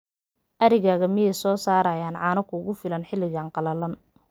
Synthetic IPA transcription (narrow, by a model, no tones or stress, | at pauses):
ʔɐɾɪɣaːɣɐmɪjɛjsɔːsaːɾɐjaːnʕɑːnɔkʰʊʊɣʊfɪlɐnħɪlɪɣaːnqɑlɐlɐn